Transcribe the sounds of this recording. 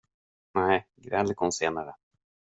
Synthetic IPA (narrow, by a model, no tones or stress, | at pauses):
nɛjɡɾɛlːkʰɔnseːnaɾə